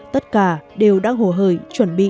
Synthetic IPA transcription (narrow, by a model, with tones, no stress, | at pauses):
t̪ə˦˥t̚kaː˧˩ɗe˨˩wɗaː˧ŋɦo˧˩ɦəː˧˩jt͡ɕwə˨˧˩nɓḭ˧˨